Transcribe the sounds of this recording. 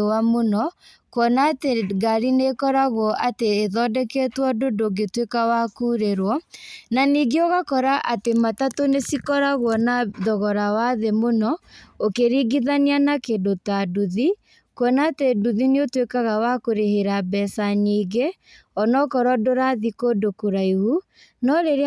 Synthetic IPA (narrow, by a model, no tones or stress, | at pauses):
wamonɔ | kwɔnateɡaɾinekɔɾaɣwɔʔateːðɔdɛkɛtwɔdodoɡetwekawakuːɾeɾwɔnaniɡeoɣakɔɾaʔatematatonesikɔɾaɣwɔnadɔɣɔɾawaðemonɔokeɾiɡiðanianakedotaduði | kwɛnaːteduðineotwekaɣawakoɾeheɾabɛsaɲiːɡe | ɔnɔkɔɾɔdoɾaðikodokoɾaihu | nɔɾeɾe